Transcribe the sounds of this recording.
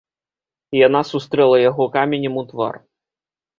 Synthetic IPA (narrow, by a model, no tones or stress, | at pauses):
janasust̪ɾɛlˠɐjaɣɔkamʲenʲɛmut̪va̰r